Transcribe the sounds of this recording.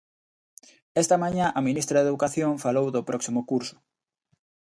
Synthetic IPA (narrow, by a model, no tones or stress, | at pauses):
est̪ɐmaɲãʔɐminist̪ɾɐðeðukaθjoŋfalowðʊpɾɔksimʊkuɾsʊ̥